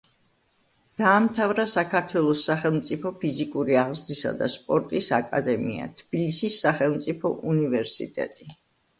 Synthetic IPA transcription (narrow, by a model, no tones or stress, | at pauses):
d̪̥aːmt̪ʰavɾasakʰaɾt̪ʰwɛlˠɔsːaχɛlˠmt̪sʼipʰɔpʰizikʼuɾiaʁzd̪isa̰d̪a̰spʼɔɾt̪ʼisakʼa̰d̪ɛmḭa̰t̪ʰb̥ilisisːaχɛlˠmt̪sʼipʰɔʔunivɛɾsḭt̪ʼɛ̰t̪ʼi